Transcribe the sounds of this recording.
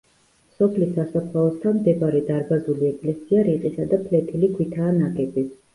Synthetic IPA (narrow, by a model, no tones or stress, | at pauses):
sɔpʰlisːasapʰlaɔst̪ʰanmd̪ɛbaɾɛd̪aɾbazuliɛkʼlɛsiaɾiqʼisad̪apʰlɛt̪ʰilikʰwit̪ʰaːnakʼɛbi